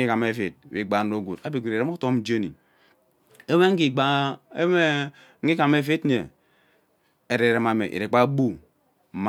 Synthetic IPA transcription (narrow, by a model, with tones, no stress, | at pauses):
i˦ka˨me˨˦fi˨t̚ḭ˨ɡ͡ba˨n̩˨˦o˨ɡu˨ta˦bi˨ɡu˨ɾi˨ɾe˦u˦to˦m̩˦d͡ʒe˦nḭ˨ | e˦we˦ŋ̩˦ɡi˨ɡ͡ba˨˦e˦me˦ | ŋ̩˦ɡi˦ka˨me˦fi˦tn˦e˨ | e˨ɾe˨ɾe˨ma˨mḛ˨ʔḭ˨ɾe˨k͡pa˦bu˦˨˦ | m